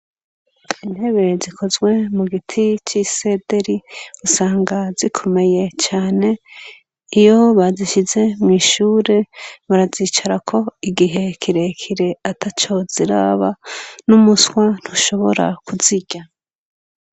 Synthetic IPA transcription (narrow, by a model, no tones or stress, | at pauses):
inhe̞βe̞zikʰo̞zɡwe̞muɡitʰit͡ʃise̞de̞ɾiusaːŋɡazikʰo̞me̞je̞t͡ʃaːne̞ | ijo̞βaziʃize̞mŋiːʃuːɾe̞βaɾazit͡ʃaɾakʰo̞iɡiɦe̞kʰiɾe̞kʰiɾe̞atʰat͡ʃo̞z̥iɾa̰βanumuswan̥huʃo̞βo̞̰ɾa̰kʰuziɟa